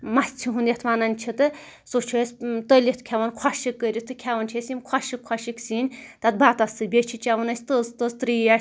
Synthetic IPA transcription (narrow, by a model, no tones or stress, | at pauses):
mɐsʲt͡sʲʰiɦund̪ʲjɐt̪ʰʋaːnɐnʲt͡ʃʰit̪ɨ | sot͡ʃʰiesʲt̪əlʲit̪ʰkʲʰaʋɐnkʰaʃikːəɾʲit̪ʰɨkʲʰaʋɐnt͡ʃʰisʲimkʰwaʃikʰwaʃiksiːnʲt̪ɐt̪̚baːt̪ɐsɨbʲet͡ʃʰit͡ʃaʋɐnɐsʲt̪əzt̪əzt̪ɾiːja